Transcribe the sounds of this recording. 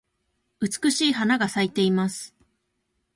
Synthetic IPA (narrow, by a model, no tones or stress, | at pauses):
ɯ̟t͡sɨ̥kɯ̟ɕiːɦanaɡasait̪e̞imasɨ̥